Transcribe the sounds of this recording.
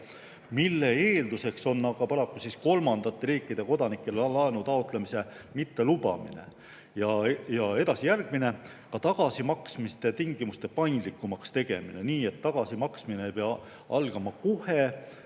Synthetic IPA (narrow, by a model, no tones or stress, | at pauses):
milːe̞eːld̪use̞kso̞nːɑɡɑpɑɾɑkːˑusisko̞lmɑnd̪̥ɑt̪ːeɾiːkˑːid̪̥e̞ko̞d̪̥ɑnikːˑe̞llɑenut̪ɑot̪ˑlemise̞mit̪ːe̞lub̥ɑ̰mḭnḛ | jɑjɑe̞d̪̥ɑsijærɡ̥mine̞ | kɑt̪ɑɡ̥ɑsimɑksmist̪e̞t̪iŋɡimust̪e̞pɑjnd̪likːˑumɑkst̪e̞ɡ̥e̞̰mineniːe̞t̪ːɑɡ̥ɑsimɑksmineejpeɑ | ɑ̰lɡ̥ɑmɑkohe